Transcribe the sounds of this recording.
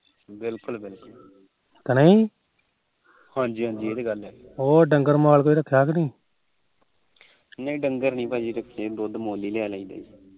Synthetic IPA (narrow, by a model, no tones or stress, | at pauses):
bɪlkʊlbɪlkʊl | t̪ənəĩː | hãːɲd͡ʒiːɦãːɲd͡ʒiːeːd̪eɡəlɛː | oːɖəŋɡəɾmaːlkoːiːɾəkʰːjaːknĩː | nẽĩːɖəŋɡəɾnĩːpaːd͡ʒiːɾəkʰeːd̪oːd̪moːliːleaːlãĩːd̪a̰ːi